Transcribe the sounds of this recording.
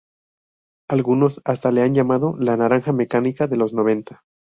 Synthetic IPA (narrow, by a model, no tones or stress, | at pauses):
alɣuno̞sast̪ale̞anʝamaðo̞lanaɾaŋxame̞kanikaðe̞lo̞zno̞β̞e̞nt̪ḁ